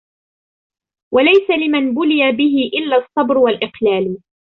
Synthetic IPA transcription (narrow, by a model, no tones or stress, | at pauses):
walajsalɪmanbʊlɪjabɪɦɪʔɪlːaːsˤːɑbɾwalʔɪqlaːl